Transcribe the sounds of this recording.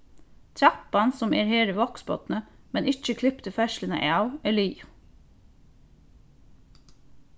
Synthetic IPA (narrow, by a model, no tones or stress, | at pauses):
t̪ʰɾæpɑnsɔmeːɾheːɾəʋɔksbɔt̪nə | mɛnɪt͡ʃəkʰlɪpt̪əfɛʃlənə̰ʔeɑʊɛliːʊ